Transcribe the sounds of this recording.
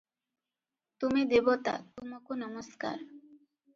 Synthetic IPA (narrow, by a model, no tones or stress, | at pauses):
t̪umid̪ebot̪a̰t̪umakonʌmoska̰ɾ